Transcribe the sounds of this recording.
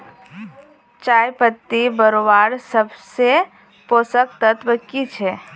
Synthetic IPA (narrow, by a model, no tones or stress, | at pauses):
t͡ʃaːjpət̪ːibəɾobaːɾsəbse | poːsək̚t̪ət̪bəkːit͡ʃʰɛː